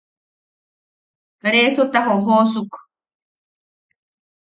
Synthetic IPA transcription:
kɾesot̪aɦoɦosuk

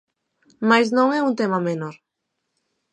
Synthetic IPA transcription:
majsnõŋɛunt̪emamenoɾ

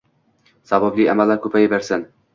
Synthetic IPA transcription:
sababliamalːɾkʰɵpʰajɪbaɾsan

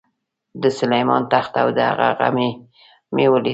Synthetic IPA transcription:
d̪əsʊlajmɑnt̪axt̪awd̪əha̰ɣa̰ɣa̰me | mewəli

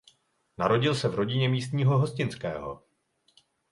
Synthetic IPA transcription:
naɾo̞ɟɪlsɛvɾo̞ɟɪɲɛmiːst̪ɲiːɦo̞ɦo̞scɪnt͡skɛ̰ːɦo̞̰

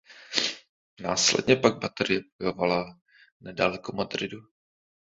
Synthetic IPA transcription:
naːslɛ̰dɲɛpaɡ̚bat̪ɛɾɪjɛb̚ojovala | nɛdalɛkomad̪ɾɪdu

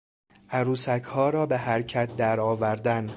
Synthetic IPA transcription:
ʔæɾuːsækʰhɒːɾɒːbeɦæɾcʰæt̪̚d̪æɾɒːvæɾd̪æn

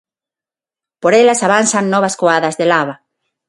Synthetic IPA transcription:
poɾelasaβansannɔβaskoaðɐzðelaβa

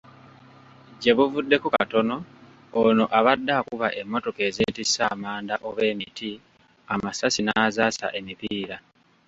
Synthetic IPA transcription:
ɟe̞βuvudːe̞kukato̞no̞ | ono̞ʔaβadːakuβaʔe̞mːo̞to̞ke̞zeːtisaːmaːndaʔo̞βe̞ːmitʰi | amasasinazaːsa̰ʔe̞mipiːɾa

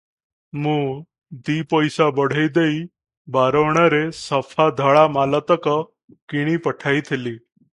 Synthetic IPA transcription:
muː | d̪iːpəjsabəɽ̤əjd̪ei | baɾəʋɳaɾesəfʰad̪ʱəɭamalət̪əkə | kiɽ̃iːpəʈʰait̪ʰeliː

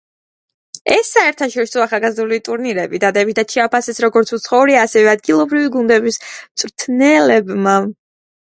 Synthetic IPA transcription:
ɛsːaɛɾt̪ʰaʃɔɾisɔaχalˠɡazd̪ulit̪ʼuɾniɾɛbid̪ad̪ɛbit̪t̪ʰat̪ʃʰɛapʰasɛsɾɔɡɔɾt̪sʰut̪sʰχɔuɾiaːsɛvɛad̪̚ɡilˠɔbɾiviɡund̪ɛbist̪sʼɾt̪ʰnɛlɛbma

